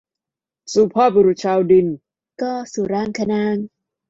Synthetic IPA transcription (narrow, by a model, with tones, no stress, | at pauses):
suː˨˩pʰɔː˥˩bu˧ɾu˨˩t̪̚t͡ɕʰaː˧wdi˧n | kɔː˥˩suː˨˩ɾaː˥˩ŋkʰa˧naː˧˥˩ŋ